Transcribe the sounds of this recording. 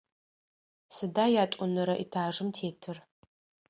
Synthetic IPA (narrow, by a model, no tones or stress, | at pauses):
sɨdaːjaːtʼʊnɨɾɐʔḭtʰaːʐɨmtʰeːtʰɨr